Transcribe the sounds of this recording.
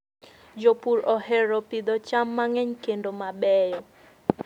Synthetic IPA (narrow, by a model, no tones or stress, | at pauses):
d͡ʒopurɾɔɦɛɾɔpid̪ɔt͡ʃamːaŋɛɲkendomabɛjɔ